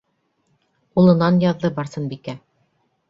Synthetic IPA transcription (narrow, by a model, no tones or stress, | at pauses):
ulˠɤ̆nɑnjɑðːɤbɑɾsɤnbikæ